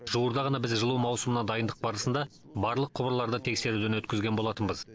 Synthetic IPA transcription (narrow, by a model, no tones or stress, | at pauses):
ʒuwəɾd̪ɑʁɑnɑbɪzʒəlˠumɑwsəmənɑd̪ɑjənd̪əq̚bɑɾəsənd̪ɑ | bɑɾlˠəqʰːʊbɾlˠɑɾd̪ət̪ʰe̞kse̞ɾud̪enwɵt̪̚kʲɪzɡʲenbo̞lˠɑt̪ənbəz